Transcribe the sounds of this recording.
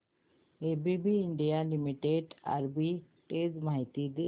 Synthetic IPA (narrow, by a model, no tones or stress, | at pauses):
ebibiːɳɖijalimiʈeɖa̰ɾbi | ʈeːd͡ʑmaɦit̪id̪